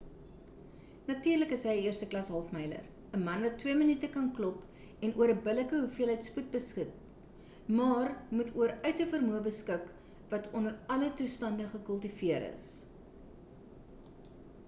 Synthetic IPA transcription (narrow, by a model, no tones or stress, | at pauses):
nɐtyːrləkəsɦəjiərstəklɐsɦɐlˠfmɛjlə̰r | əmɐnvɐtːwiəmənitəkɐnklɔp | ɛnuəɾəbələkəɦufiəlˠɦɛjtsput̚bəskət̚ | mɑːrmutuəɾœɥtəfərmuəbəskək | vɐtʰɔnəɾɐlətustɐndəχəkəlˠtifiəɾə̰s